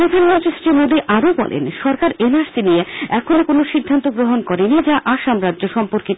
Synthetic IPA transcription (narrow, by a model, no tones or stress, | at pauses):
ɾod̪ʱanmɔnt̪ɾisʈɾimod̪iʔaɾobɔ̰lʔḛnʃɔɾkaɾenaɾsinieɛkʰonokonoʃid̪ʱːant̪oɡɾoɦonkɔɾenid͡ʑaʔaʃamɾadːʑoʃɔmpoɾki